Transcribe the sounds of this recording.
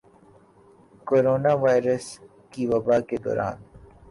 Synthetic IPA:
koːɾoːnaʋaːjɾəs | kiʋɐbaːked̪ɔ̰ːɾʔa̰ːn

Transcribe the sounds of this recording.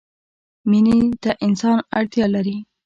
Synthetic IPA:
minid̪aʔɪnsɑnaɽt̪jɑlaɾi

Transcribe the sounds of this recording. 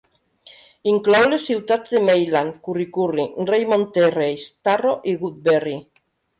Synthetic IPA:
iŋklowlesiwt̪at̪ðemejlaŋkurikurinrejmõnt̪erejst̪aroʔiɣut̪̚beri

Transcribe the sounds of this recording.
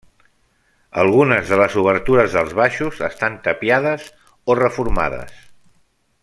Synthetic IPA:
ə̰lˠɣunəzðələzuβəɾt̪uɾəzðəlˠzβaʃuzəst̪ant̪əpjaðəz | orəfuɾma̰ðə̰s

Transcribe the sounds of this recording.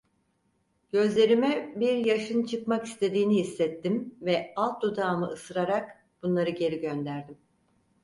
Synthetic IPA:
ɟ̥ø̞zlʲe̞ɾimɛbiɾjaʃɯnt͡ʃʰɯkmaki̥st̪ʰe̞d̪iːnihisːɛt̪ʰːimvɛalˠt̪̚d̪ud̪aːmɯʔɯsɯɾaɾak | b̥unlˠaɾɯɟe̞ɾiɟønd̪æɾd̪im

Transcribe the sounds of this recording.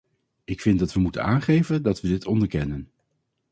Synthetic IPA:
ɪkfɪndɑtʋəmutə̰naːnχejvəndɑtʋədɪtʰɔndəɹkɛnən

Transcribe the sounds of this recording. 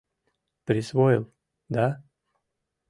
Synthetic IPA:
pɾʲɪsvojɪlˠ | d̪a

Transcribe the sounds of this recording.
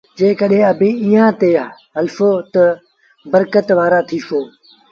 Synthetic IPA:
d͡ʒẽːkəɗɦẽːɐbʱẽːiːãːt̪eːɦɐlfoːt̪ɐ | bəɾkət̪ʋaːɾaːt̪ʰiːʃoː

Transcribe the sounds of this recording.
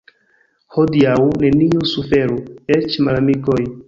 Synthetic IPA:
hodiawne̞niusufe̞ɾuet͡ʃmalamikoj

